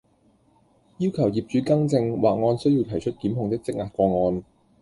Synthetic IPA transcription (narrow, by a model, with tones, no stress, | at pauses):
jiː˥wkʰɐ˨˩wjiː˨˩p̚t͡ʃyː˨˥kɐ˥ŋt͡sɪ˧ŋwaː˨k̚ŋɔː˧nsɵ˥ɥjiː˧wt̪ʰɐ˨˩jt͡ʃʰɵ˥t̚kiː˨˥mɦʊ˧ŋt̪ɪ˥k̚t͡sɪ˥k̚ŋaː˨t̚kʷɔː˧ŋɔː˧n